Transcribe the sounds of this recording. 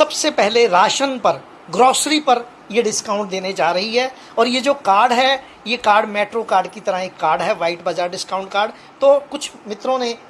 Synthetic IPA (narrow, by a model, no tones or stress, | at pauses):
sɐbsepɛɦleɾaːʃənpɐɾ | ɡɾɔːsɾipɐɾ | jeɖɪskaːʊ̃ɳʈ̚d̪eːned͡ʒaːɾɐɦiɦɛː | ɔːɾjed͡ʒoːkaːɾɖɦɛ | jekaːɾɖmeːʈɾokaːɾɖkit̪ɐɾəɦekːaːɾɖɦɛʋaːɪʈbad͡ʒaːɾɖɪskaːʊ̃ɳʈkaːɾɖ | t̪oːkʊt͡ʃʰmɪt̪ɾõnẽ